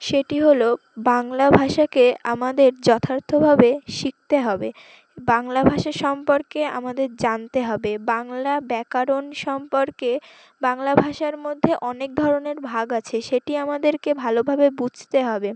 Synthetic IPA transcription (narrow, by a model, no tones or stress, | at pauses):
ʃeʈiɦolo | baŋlabʱaʃakea̰mad̪eɾd͡ʑɔt̪ʰaɾt̪ʰobʱabeʃik̚t̪eɦɔbe | baŋlabʱaʃaɾʃɔmpoɾkea̰mad̪eɾd͡ʑant̪eɦɔbebaŋlabɛkaɾonʃɔmpoɾke | baŋlabʱaʃaɾmod̪ʱːeʔɔnek̚d̪ʱɔɾoneɾbʱaɡat͡ɕʰeʃeʈiamad̪eɾkebʱalobʱabebud͡ʑʱt̪eɦɔbe